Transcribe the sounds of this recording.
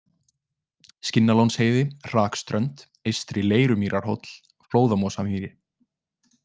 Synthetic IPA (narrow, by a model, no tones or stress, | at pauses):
scɪnːalownsheːjðɪr̥aːkst̪ɾœnt̪ | ejst̪ɾileːjɾʏmiːɾʔaɾ̥hɔ̰t̪l̥ | floːwðamɔsamhiːɾɪ